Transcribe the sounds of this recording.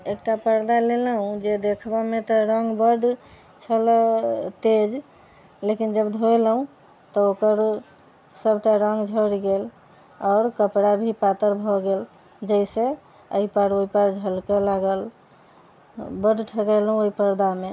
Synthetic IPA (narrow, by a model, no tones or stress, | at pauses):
ekʈapəɾd̪alelɦũd͡ʒed̪ekʰbɔmet̪ɔɾəŋɡbəɖ | t͡ʃʰəlt̪ed͡ʒ | lekind͡ʒəbd̪ʱoelɦũ | t̪ɔokəɾ | səbʱʈaɾəŋɡd͡ʒʱəɽɡel | ɔːɾkəpɽabʱipat̪əɾbʱɔɡel | d͡ʒəise | ə̰ipaɽoipaɾd͡ʒʱəlkelaɡəl | bəɖʈʰəkəlɦũoipəɾd̪ame